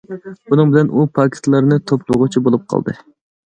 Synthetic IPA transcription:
b̥unɨŋbɪlɛnʔupʰɑkʲʰɪ̥st̪lˠɑɾnɨt̪ʰoplˠʊʁʊt͡ʃʰibolˠup̚qʰɑ̰lˠd̪ɨ̰

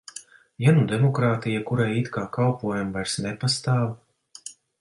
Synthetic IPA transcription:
janud̪ɛmɔkɾaːt̪ijakuɾajit̪kaːkalpuɔjumvajɾsnɛpast̪aːw

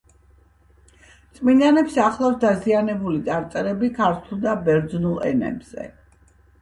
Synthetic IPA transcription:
t̪sʼminanɛpsaχlˠawsd̪azianɛbulit̪ʼaɾt̪sʼɛɾɛbikʰaɾt̪ʰulˠd̪abɛɾd̪znulˠɛ̰nɛ̰bz̥ɛ̰

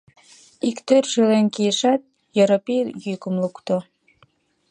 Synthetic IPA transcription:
ikt̪ørʃylenkijəʃɑt̪̚ | jeɾopijykəmlukt̪o

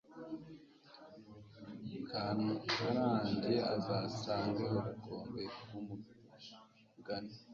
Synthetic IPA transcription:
kʰaːndiufaɾaːndeazaːsaːŋɡehoɾukoːmbekumu | ɡane

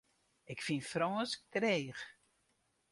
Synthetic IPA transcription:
ɪkfinfrɔːsk̚treːx

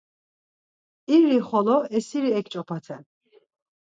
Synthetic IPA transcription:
iɾiχɔlɔɛsiɾiɛkt͡ʃʼɔpʰat̪ʰɛn

